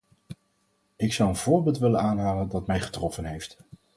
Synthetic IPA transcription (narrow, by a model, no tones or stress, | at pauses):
ɪksɑwənv̥ʊːɹbɪːlˠtʋɪlənaːnɦaːləndɑtmɛjχə̥trɔfənɦejft